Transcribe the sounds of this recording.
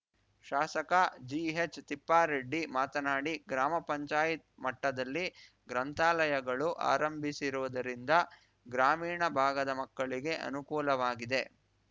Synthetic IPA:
ʃaːsɐkɐd͡ʒiɦet͡ʃːt̪ipːaːɾeɖːimaːt̪ɐnaːɽiɡɾaːmɐpɐɲt͡ʃaːjit̪̚mɐʈːɐd̪ɐlːi | ɡɾɐnt̪aːlɐjɐɡɐɭuʔa̰ːɾɐmbʱisiɾuʋɐd̪ɐɾind̪ɐ | ɡɾaːmiːɳɐbʱaːɡɐd̪ɐmɐkːɐɭiɡe̞ʔɐ̰nukuːlɐʋaːɡid̪e̞

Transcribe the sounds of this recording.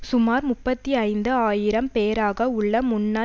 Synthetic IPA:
sʊmaːɾmʊpːɐt̪ːiɐɪnd̪ɯaːjɪɾɐmpeːɾaːɣɐʊɭːɐmʊnːa

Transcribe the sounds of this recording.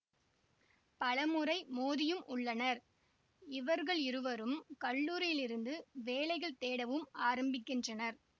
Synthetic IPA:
pɐlɐmɯɾɐɪmoːðɪjɯmʔʊɭːɐnɐɾ | ɪʋɐɾɣɐɭɪɾɯʋɐɾɯmkɐɭːuːɾɪjɪlɪɾɯnd̪ɯʋeːlɐɪɣɐɭt̪eːɽɐʋɯmaːɾɐmbɪkːɪndrɐnɐɾ

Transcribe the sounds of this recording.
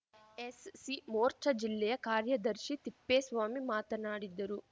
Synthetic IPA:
esːimoːɾt͡ʃʰɐd͡ʒilːɛjɐkaːɾjɐd̪ɐɾʃit̪ipːeːsʋaːmimaːt̪ɐnaːɽid̪ːɐɾu

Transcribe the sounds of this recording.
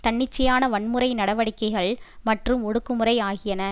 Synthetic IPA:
t̪ɐɳːɪt͡ʃːɐjaːnɐʋɐɳmɯrɐɪnɐɽɐʋɐɽɪkːɐɪɣɐɭmɐʈrɯmɔɽɯkːɯmɯrɐɪaːɣɪjɐnɐ

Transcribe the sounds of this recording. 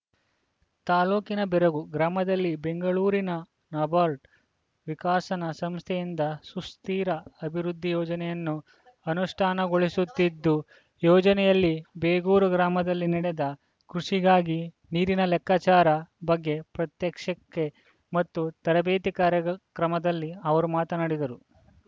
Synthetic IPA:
t̪aːluːkinɐbɛɾɐɡuɡɾaːmɐd̪ɐlːibe̞ŋɡɐɭuːɾinɐ | nɐːbaːɾʈ | ʋikaːsɐnɐsɐmst̪ʰɛjind̪ɐsust̪iːɾɐɐbʱiɾud̪ʱːijɔːd͡ʒɐnɛjɐnːu | ɐnuʂʈʰaːnɐɡo̞ɭisut̪ːid̪ːu | jɔːd͡ʒɐnɛjɐlːibeːɡuːɾuɡɾaːmɐd̪ɐlːiniɽed̪ɐ | kɾuʂiɡaːɡi | niːɾinɐlɛkːaːt͡ʃaːɾɐbɐɡːe̞pɾɐt̪jɐkʂɐkːe | mɐt̪ːut̪ɐɾɐbeːt̪ikaːɾjɐɡɐkɾɐmɐd̪ɐlːiɐʋɐɾumaːt̪ɐnɐɽid̪ɐɾu

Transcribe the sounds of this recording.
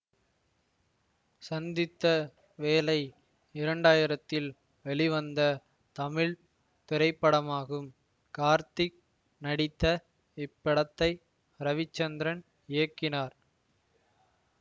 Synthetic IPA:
sɐnd̪ɪt̪ːɐ | ʋeːlɐɪ | ɪɾɐɳɖaːjɪɾɐt̪ːɪl | ʋɛɭɪʋɐnd̪ɐ | t̪ɐmɪɻ | t̪ɪɾɐɪpːɐɽɐmaːɣɯm | kaːɾt̪ɪk | nɐɽɪt̪ːɐ | ɪpːɪɽɐt̪ːɐɪ | ɾɐʋɪt͡ʃːɐnd̪ɪɾɐn | ɪjɐkːɪnaːɾ

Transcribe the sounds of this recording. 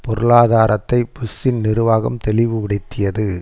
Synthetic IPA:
pɔɾɯɭaːðaːɾɐt̪ːɐɪpʊsɪnnɪɾɯʋaːɣɐmt̪ɛlɪʋɯʋɪɽɪt̪ːɪjɐðɯ

